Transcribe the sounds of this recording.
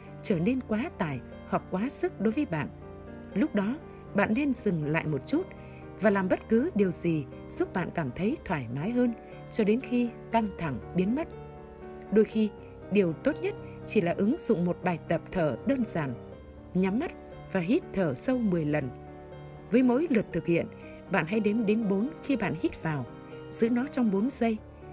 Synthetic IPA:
t͡ɕəː˧˩ne˧nkwaː˨˦t̪aː˧˩j | ha˨˩k͡p̚kːwaː˨˦sɨ˦˥k̚ɗo˨˦jvəː˨˦jɓa̰ː˧˨n | lʊ˦˥k͡p̚ɗɔ˨˦ | ɓa̰ː˧˨nːe˧nzɨ˨˩ŋla̰ː˧˨jmo˨˩t̚t͡ɕu˦˥t̚ | vaː˨˩laː˨˩mɓə˦˥t̚kɨ˨˦ɗi˨˩əwzi˨˩ | z̥u˦˥p̚ɓa̰ː˧˨nkaː˧˩mt̪ʰə˨˦jt̪ʰwaː˧˩jmaː˨˦jɦəː˧n | t͡ɕɔ˧ɗe˨˦nxi˧ | ka˧ŋt̪ʰa˧˩ŋɓi˨˦ənmə˦˥t̚ | ɗo˧jxi˧ | ɗi˨˩əwt̪o˦˥t̚ɲə˦˥t̚ | t͡ɕi˧˩laː˨˩ʔɨ˨˦ŋzʊ̰˧˨ŋ͡mmo˨˩t̚ɓaː˨˩jt̪ə˨˩p̚t̪ʰəː˧˩ɗəː˧nzaː˧˩n | ɲa˨˦mːə˦˥t̚ | vaː˨˩ɦi˦˥t̚t̪ʰəː˧˩sə˧wmɨ˨˩əjlə˨˩n | vəː˨˦jmo̰˧˥jlɨ˨˩ət̚t̪ʰɨ˨˩k̚hḭ˧˨ən | ɓa̰ː˧˨nɦa̰˧˥jɗe˨˦nɗe˨˦nɓo˨˦nxi˧ɓa̰ː˧˨nhi˦˥t̚vaː˨˩w | z̥ɨ̰˧˥nɔ˨˦t͡ɕɔ˧wŋ͡mɓo˨˦nzə˧j

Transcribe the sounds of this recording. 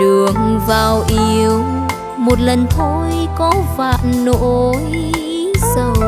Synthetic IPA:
ɨ˨˩əŋvaː˨˩wʔi˧əw | mo˨˩t̚lə˨˩nt̪ʰo˧˦jkɔ˨˦va̰ː˧˨nno˧˥j | sə˧˩w

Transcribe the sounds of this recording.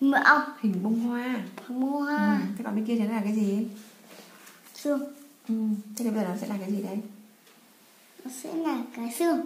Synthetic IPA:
mə̰˧ʔə˧˩whï˨˩ŋ̟ɓʊ˧ŋ͡mɦwaː˧a˧mo˧ha˧t̪ʰe˧˩ɓa̰˧˨ɓe˧nki˧t̪ʰɔ˧˦aː˨˩kaː˨˦jzi˨˩˨ | sɨ˧ə˩ŋʔɨ˨˩t̪ʰːzːɔ˨˦sɛ̰˧˥laː˨˩kaː˨˦jzi˨˩ɗə˨˧j | nɔ˨˦sɛ̰˧˥laː˨˩kaː˨˦jsɨ˧əŋ

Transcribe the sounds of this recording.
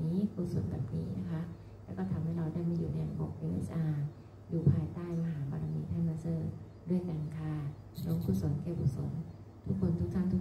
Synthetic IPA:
niː˦˥kʰuː˧˩so˨˩˦nbɛ̰ː˨˩p̚niː˦˥na˦˥kʰa˦˥ʔ | lɛː˦˥wkɔː˥˩t̪ʰa˧mha˥˩jɾa˧wdaː˥˩jmiː˧juː˨˩na˧ja̰ː˨˩ŋʔɔ̰˨˩k̚ʔe˧mʔḛ˦˥sʔaː˧ | juː˨˩pʰaː˧jt̪aː˥˩jmaː˧ɦaː˩˦pa˧ɾa˧mi˧˥t̪ʰaː˥˩maː˧sɤː˧˩ | du˥˩əjkaː˧nkʰa˧˩ | nɔ˦˥ŋkʰu˨˧˩so˩˦nkɛː˧˩kʰu˨˩so˩˦n | t̪ʰu˦˥kʰːo˧nt̪ʰu˦˥k̚t̪ʰa˥˩nt̪ʰu˦˥

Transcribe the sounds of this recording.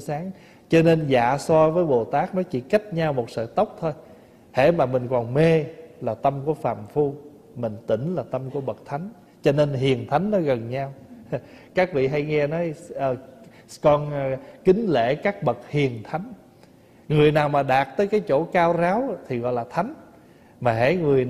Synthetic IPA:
saː˨˦ŋ | t͡ɕɔ˧ne˧nza̰ː˧˦sɔ˧vəː˨˦jɓo˨˩t̪aː˦˥k̚nɔ˨˦t͡ɕḭ˧˩ka˦˥jt̚ɲaː˧wmo˨˩t̚sə̰ː˧˨t̪ə˦˥wk͡p̚t̪ʰo˧j | hḛ˧˥maː˨˩mï˨˩ŋ̟kɔ˨˩nme˧laː˨˩t̪ə˧mku˧˩əfaː˨˩mfu˧ | mï˨˩ŋ̟t̪ï˧˩ŋ̟laː˨˩t̪ə˧mku˧˩əɓə˨˩k̚t̪ʰa˨˦jŋ̟ | t͡ɕɔ˧ne˧nɦi˨˩ənt̪ʰa˨˦jŋ̟nɔ˨˦ɣə˨˩nɲaː˧w | kaː˦˥k̚vḭ˧˨ɦa˧jŋɛ˧nɔ˨˦jəː˨˩ | kɔ˧nkï˨˦ŋ̟lḛ˧˥˨kaː˦˥k̚ɓə˨˩t̚hi˨˩ənt̪ʰa˨˦jŋ̟ | ŋɨ˨˩əjnaː˨˩wmaː˨˩ɗaː˨˩t̚t̪əː˨˦jkaː˨˦jt͡ɕo̰˧˩kaː˧wzaː˨˦wt̪ʰi˨˩ɣɔ̰˧˨jlaː˨˩t̪ʰa˨˦jŋ̟ | maː˨˩ɦḛ˧˥ŋɨ˨˩əj

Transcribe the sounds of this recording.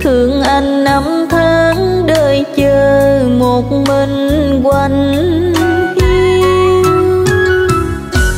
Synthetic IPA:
t̪ʰɨ˧˩˦əŋʔa˧jŋ̟ːa˨˧˦mt̪ʰaː˧ŋ | ɗəː˧˩jt͡ɕəː˧˩mo˨˩t̚mə˧˩ŋkwa˧˩ŋ | hi˧

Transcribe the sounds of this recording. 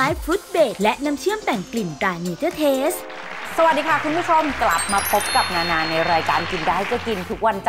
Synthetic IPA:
aː˨˦˥jfuː˦˥t̪̚beː˨˩t̪̚lɛ˦˥ʔna˧mt͡ɕʰɯ˥˩əmt̪ɛ˨˩ŋkli˨˩ntaː˧miː˧t̪ɤː˥˩t̪ʰeː˦˥s | sa˧wa˨˩di˧kʰa˥˩kʰu˧npʰu˥˩t͡ɕʰo˧mkla˨˩p̚maː˧pʰo˦˥p̚ka˨˩p̚naː˧naː˧nːa˧jɾaː˧jkaː˧nki˧nda˧˩ha˥˩jt͡ɕa˨˩ki˧nt̪ʰu˦˥k̚wa˧nt͡ɕ

